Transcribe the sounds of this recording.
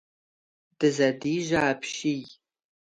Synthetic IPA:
d̥ɨzɐdiːʒaːpʰʃij

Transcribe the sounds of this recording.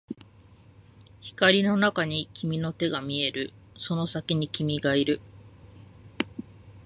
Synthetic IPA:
çi̥kaɾʲino̞nakaɲ̟ikʲʰimʲino̞t̪e̞ɡamʲie̞ɾɯ̟ | so̞no̞sakʲiɲ̟ikʲimʲiɡaiɾɯ̟

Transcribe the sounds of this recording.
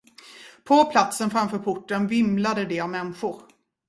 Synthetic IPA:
pʰɔpʰlat̪sənfɾamfœːɾpʰʊʈːənvɪmlad̪əd̪ɛavmɛnɧʊɾ

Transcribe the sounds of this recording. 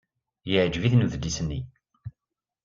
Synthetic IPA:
jəʕd͡ʒviθnuðəd̪ːisənːi

